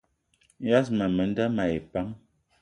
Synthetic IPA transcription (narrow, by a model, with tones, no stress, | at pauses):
ja˦s̬ma˨mə˨˦n˦da˦ma˨e˨pa˦m